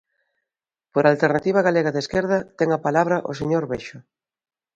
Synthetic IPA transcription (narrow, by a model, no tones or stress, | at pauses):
poɾalt̪eɾnat̪iβ̞ɐɣaleɣaðeskeɾðɐt̪ɛŋapalaβ̞ɾɐʔo̰s̬eɲoɾβeʃʊ